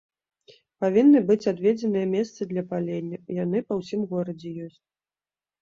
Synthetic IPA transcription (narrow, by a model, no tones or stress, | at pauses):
pavʲinːɨbɨt͡sʲad̪vʲed͡zʲɛnɨjɐmʲɛst̪sɨd̪lʲɐpalʲenʲːɐjanɨpɐwsʲimɣɔɾɐd͡zʲɛjɔsʲt͡sʲ